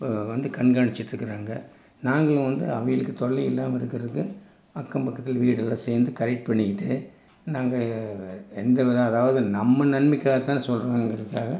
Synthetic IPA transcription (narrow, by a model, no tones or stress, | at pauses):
ʋɐnd̪ɯkɐɳɡaːɳɪt͡ʃːɪʈːɾɯkːɯɾaːŋɡɐ | naːŋɡɐɭɯ̃ʋɐnd̪ɯɐʋɐjɪɭɯkːɯt̪ɔɭːiɪlːaːmɐɪɾɯkːɪɾɐðɯkːɯ | ɐkːɐmpɐkːɐt̪ːɪlʋiːɽɛlːãːseːɾnd̪ɯkɐɾɛʈ̚pɐɳːɪkɪʈːɯ | naːŋɡɐ | ɛnd̪ɐʋɐɾaɐðaːʋɐðɯnɐmːɐnɐnmɪkːaːɣɐt̪ãːsɔlɾaːŋɡɐɾɐðɯkːaːɣɐ